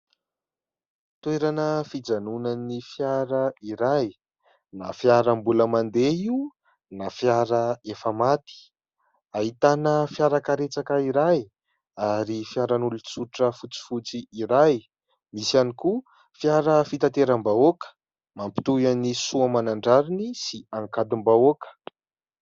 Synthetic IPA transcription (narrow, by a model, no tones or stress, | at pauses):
t̪weɾanəfid͡zanunanifjaɾaiɾaj | nafjaɾəmbuləmand̪eiu | nafjaɾəefəmat̪i̥ | aɦit̪anəfjaɾakaɾet͡sakaiɾaj | aɾifjaɾanulut͡suʈ͡ʂəfut͡si̥fut͡siiɾaj | misaniku | fjaɾəfit̪at̪eɾəmbaokə̥ | mampi̥t̪ujanisuamanaɳɖ͡ʐaɾinisiaŋkad̪umbaokə̥